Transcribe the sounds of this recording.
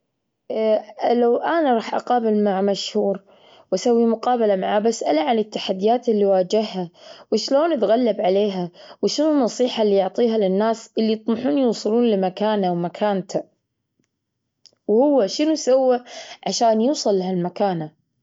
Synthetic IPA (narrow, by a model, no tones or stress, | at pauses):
lawʔanaɾˤɑːħʔa̰qɑːbɪlmaʕmaʃhuːɾ | wʔasawːimʊqɑːbalamaʕabasʔalaʕanɪt̪ːaħad̪ːɪjaːt̪ɪlːiwaːd͡ʒɪhːawɪʃloːnɪt̪ɣalːabʕaleːɦawʃɪnunːɑsˤiːħalːijʊʕt̪ˤiːɦalɪnːaːsʔɪlːit̪ˤmɑħuːnjuːsˤɨluːnlɪmakaːnawmakʰaːnt̪ʰa | whʊwːaʃɪnusawːaʕaʃaːnjuːsˤɨlːhalmakaːna